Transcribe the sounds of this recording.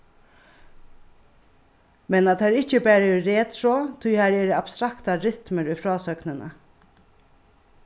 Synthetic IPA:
mɛnat̪ʰæːɾɪt͡ʃəbæːɾəɾeːt̪ʰɾoːt̪ʰʊhæɾɛːɾəab̥st̪ɾakt̪aɾɪt̪məɾʏfɾɑːsœknənə̰

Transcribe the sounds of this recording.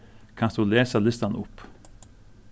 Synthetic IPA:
kʰɑnsd̪uleːsəlɪst̪ɑnʔʊp

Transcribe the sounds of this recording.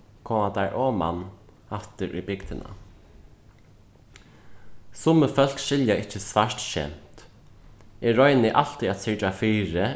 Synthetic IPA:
kʰoːmad̪aɹʔɔːma̰n | aft̪ɪɾʔʏ̰bɪkd̪ɪna̰ | sʊməfœl̥kʃɪljaɪhcːɪsvaʂt̪ʃɛ̰m̥t̪ | ɛːɔjnɪʔal̥t̪iat̪sɪɹt͡ʃafiːɾɪ

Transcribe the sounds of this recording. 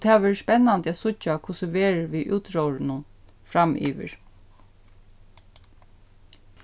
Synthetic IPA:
t̪ʰɛːʋɛːɹspɛnːand̪əæsʊt͡ʃːakʰʊsəʋeːɹʋiʔuːt̪ɹɔwɹɪnʊn | fɾamʔḭːʋɪ̰ɹ

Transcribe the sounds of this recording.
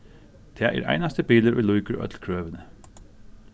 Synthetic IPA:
d̪̥ʰɛːʔɛ̰ːɾʔæ̰ɪnast̪əbiːləɾṵjluʏkəɹœ̰t̪lkʰɹøːʋənə

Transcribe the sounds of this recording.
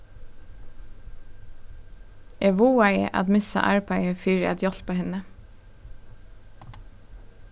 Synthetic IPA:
ɛʋuːæɪʔɑ̰d̪mɪsɑ̰ʔæ̰ɹpʰɑɪəfyːɾəɛ̰t̪jɔt̪pʰoːhɪnə

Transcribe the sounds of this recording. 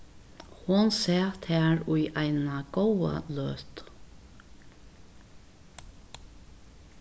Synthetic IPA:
hʊnsɛːt̪hæːɹʊɪʔæɪnaɡ̥owə̰løːt̪

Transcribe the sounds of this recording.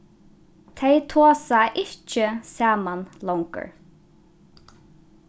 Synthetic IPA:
t̪ʰɛjt̪ʰoːsaʔɪht͡ʃəsaːmanlɔwŋkə̰ɹ

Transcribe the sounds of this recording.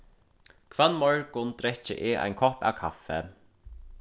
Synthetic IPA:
kʰv̥aːðmɔɹkʊnt̪ɾɛht͡ɕɪ̰ʔɪa̰jnkʰɔhpa̰wkʰafːɛ

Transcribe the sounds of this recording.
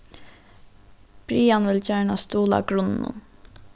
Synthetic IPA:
b̥ɾiːɑnʋɪlçæːɳɑst̪uːlɑ̰ɡɹʊnn̩ṵn

